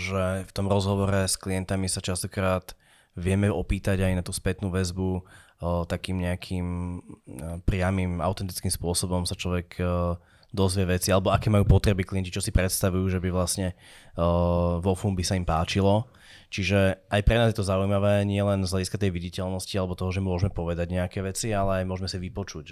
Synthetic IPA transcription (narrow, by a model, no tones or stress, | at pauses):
ʒɛft̪ɔmɾɔzɦɔʋɔɾɛskliɛnt̪amisat͡ʃast̪ɔkɾaːt̪ | ʋɪɛmɛɔpiːt̪aɟajnat̪uːspɛt̪nuːʋɛzbu | t̪akiːmɲɛakʰiːm | pɾɪamiːma̰ʊt̪ɛnt̪i̥t͡skiːmspʊɔsɔbɔmsat͡ʃlɔʋɛɡ | d̪ɔzʋɪɛʋɛt͡sialɛbɔakɛːmajuːpɔt̪ɾɛbikliɛncit͡ʃɔsipɾɛt̪st̪aʋujuːʒɛbiʋlasɲɛ | ʋɔfuːmbisaimpaːt͡ʃilɔ | t͡ʃiʒɛʔajpɾɛnaːzjɛt̪ɔzaujmaʋɛːɲɪɛlɛnzɦʎaɟiskat̪ɛjʋiɟicɛlnɔscialɛbɔt̪ɔɦɔʒɛmʊɔʒmɛpɔʋɛd̪aɟɲɛakɛːʋɛt͡sialɛajmʊɔʒmɛsiʋipɔt͡ʃuc